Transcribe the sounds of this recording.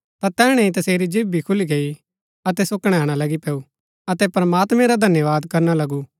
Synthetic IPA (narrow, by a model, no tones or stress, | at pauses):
t̪at̪ɛːɽ̃ɛ̃ĩt̪ɐseːɾid͡ʒɪbbːikʰʊliɡei | ɐt̪ɛsʊkɽ̃ɛɦaːɽ̃alɐɡipɛːu | ɐt̪ɛpɾɐmaːt̪mɛ̃ɾad̪ʱɐnjəʋaːd̪kɐɾnalɐɡu